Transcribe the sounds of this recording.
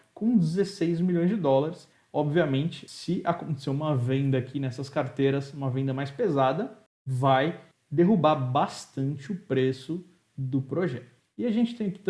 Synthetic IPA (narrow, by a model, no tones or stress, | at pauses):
kõw̃d͡ʒɪzesejzmiʎõj̃zd͡ʒɪd̪ɔlaɾɪs | ɔbviɐmẽnt͡ʃɪ̥sɪʔakõnt̪e̥sewũmɐvẽnd̪ɐːkʰinɛsɐskaɾt̪eɾɐsũmɐvẽnd̪ɐmajspezad̪ɐ | vaj | d̪eɦubaɾbast̪ɐ̃nt͡ʃɪʊpɾesʊ | d̪ʊpɾoʒɛt̪ʊ | ɪaʒẽnt͡ʃɪ̥t̪ẽj̃kɪt̪